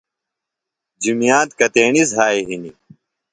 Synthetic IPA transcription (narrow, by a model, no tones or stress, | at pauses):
d͡ʑimijaːt̪kɐt̪eːɳizɦaːeɦini